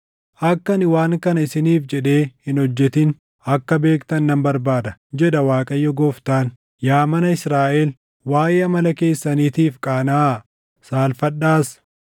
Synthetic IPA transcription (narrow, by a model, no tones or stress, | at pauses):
ʔɐkːɐnɪwaːŋkɐnɐɪsɪniːfd͡ʒɛᶑe̞ːhɪnɔd͡ʒːɛt̪ɪn | ɐkːɐbe̞ːkt̪ɐnːɐmbɐɾbaːd̪ɐd͡ʒɛᶑɐwaːkʼɐjːɔɡɔːft̪aːn | jaːmɐnɐɪsɾaːʔeːl | waːjʔeːɐmɐlɐke̞ːsːɐniːt̪iːfkʼaːnaː | saːlfɐᶑːaːs